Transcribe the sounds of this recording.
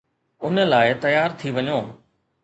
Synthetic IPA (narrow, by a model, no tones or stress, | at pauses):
ʊnə̆laːɪt̪ɐjaːɾt̪ʰiʋɐɲoː